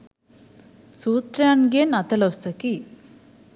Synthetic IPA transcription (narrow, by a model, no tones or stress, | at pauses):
sut̪ɾjanɡenat̪ələst̪əki